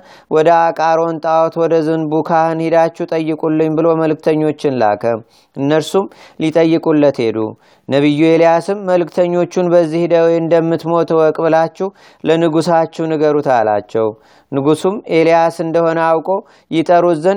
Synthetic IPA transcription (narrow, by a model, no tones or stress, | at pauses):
wʔɔd̪əakʼaɾo̞nt̪ʼawɔt̪wɔd̪əzɨnbukʰahɨnhid̪at͡ʃːɛt̪ʼəjːɨkʼulːɨɲbɨlo̞məlɨk̚t̪ʰəɲːo̞t͡ʃːɪnla̰kʰə | ʔɨnːəlsumlit̪ʼəjːɨkʼulːət̪he̞d̪ṵ | nəβɨjːuelijasɨmːəlɨkt̪ʰəɲːo̞t͡ʃːunbəzːihd̪əwjɨnd̪əmːɨt̪mo̞t̪ʰwɔkʼbɨlat͡ʃːɛh | lənɨɡusat͡ʃːɛhnɨɡəɾut̪ʰala̰t͡ʃːɛw | nɨɡusume̞lijasɨnd̪əho̞nəawkʼo̞ | jɪt̪ʼəɾuzən